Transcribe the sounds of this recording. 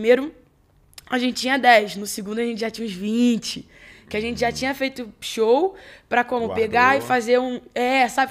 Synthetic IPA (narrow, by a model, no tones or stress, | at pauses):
mejɾʊ | aʒẽt͡ʃɪt͡ʃːĩɲɐd̪ɛjʃnʊsɪɡũnd̪ʊɐʒẽnt͡ʃɪʒat͡ʃĩɲɐ̃ʊzvĩt͡ʃɪ | kɪaʒẽnt͡ʃɪʒat͡ʃĩɲɐfejt̪ʊʃowpɾɐkõmʊpeɡaɪfazeɾũɛsabɪ